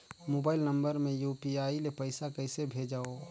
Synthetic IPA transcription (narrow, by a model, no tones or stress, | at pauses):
mobaːɪlnəmbəɾmẽjupiaːilepəɪsakəɪsebʱed͡ʒaːo